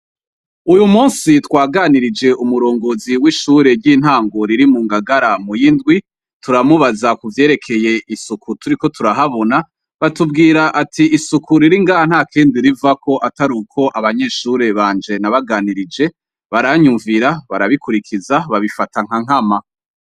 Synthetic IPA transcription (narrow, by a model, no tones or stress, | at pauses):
ujumuːnsitwaːɡaːniɾid͡ʒe̞ʔumuɾo̞ːŋɡo̞ziwiːʃuːɾe̞ɾɟiːn̥haːŋɡo̞ɾiɾimuːŋɡaɡaɾamujindɡwi | tuɾamuβazakuvje̞ːɾe̞kʰe̞je̞ʔisukʰutuɾiko̞tʰuɾaɦaβo̞na | βatub̚ɡiːɾaʔatʰiisukʰuɾiɾiŋɡaːhan̥haːkʰeːndiɾivakʰo̞ʔataɾuːkʰo̞ʔaβaɲe̞ʃuːɾe̞βaːnd͡ʒe̞naβaɡaːniɾid͡ʒe̞ | βaɾaɲuɱviɾaβaɾaβikuɾikʰizaβaβifataŋ̥haŋ̥ama